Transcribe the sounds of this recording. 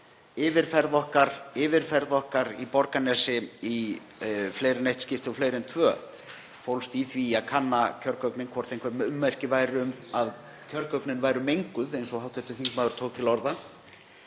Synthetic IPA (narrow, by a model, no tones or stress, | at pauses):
ɪːvɪɾ̥fɛɾðɔhkaɾɪːvɪɾ̥fɛɾðɔhkaɾipɔɾkanɛsɪi | fleːjɾɪnejht̪scɪft̪ɪɔflejɾɛnt̪ʰvœː | fowlst̪iθviakʰanːacʰœɾkœknɪnkʰvɔr̥t̪ejhŋkvamʏmːɛr̥cɪvaːjɾɪʏmað | cʰœɾkœknɪnvaːjɾʏmejŋkʏðejnsɔhawt̪ɛft̪ʏθimaːðʏɾ̥t̪ʰoːwkt̪ʰɪlɔɾða